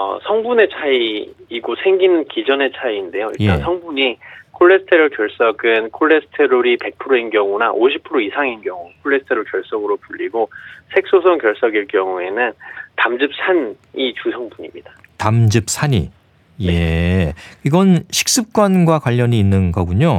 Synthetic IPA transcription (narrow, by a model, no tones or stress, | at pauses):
ʌ̰sʰʌŋbune̞t͡ɕʰaiːɡosʰe̞ŋɡinɯnkid͡ʑʌne̞t͡ɕʰaiːnde̞joiɭjtaensʰʌŋbuɲikʰoɭːe̞sʰɯ̥tʰeɾoɭkjʌɭs͈ʌɡɯnkʰoɭːe̞sʰɯ̥tʰeɾoɾipe̞k̚pʰɯɾoinɡjʌŋunaʔoɕʰipʰɯɾoisʰaŋinɡjʌŋukʰoɭːesʰɯ̥tʰeɾoɭkjʌɭs͈ʌɡɯɾopuʎːiɡosʰe̞k̚s͈osʰʌŋkjʌɭs͈ʌɡiɭkjʌŋue̞nɯntamd͡ʑɯp̚sʰan | it͡ɕusʰʌŋbuɲimɲidḁtamd͡ʑɯp̚sʰaɲḭ | je̞ | iɡʌnɕʰi̥k̚s͈ɯp̚k͈wanɡwakwaʎːʌɲiːnːɯnɡʌɡuɲo